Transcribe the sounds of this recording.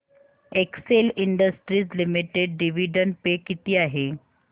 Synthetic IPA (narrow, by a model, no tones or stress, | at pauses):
ekseliɳɖəsʈɾiːt͡slimiʈeɖɖiʋiɖənpekit̪iːaɦe